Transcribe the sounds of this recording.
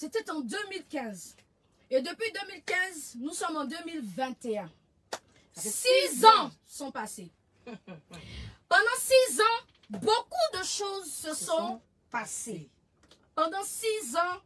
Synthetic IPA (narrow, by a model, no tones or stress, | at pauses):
set̪ɛt̪ɑ̃d̪ømilkʲɛ̃z | ed̪əpɥid̪ømilkʲɛ̃znusɔmɑ̃d̪ømilvɛ̃t̪eɛ̃ | sizɑ̃ | sɔ̃pase | pɑ̃d̪ɑ̃sizɑ̃ | bokud̪əʃozsəsɔ̃ | pase | pɑ̃d̪ɑ̃sizɑ̃